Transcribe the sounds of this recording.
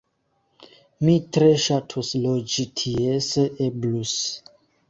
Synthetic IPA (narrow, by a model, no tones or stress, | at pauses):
mitɾeʃatʰuslod͡ʒitʰieseʔeblus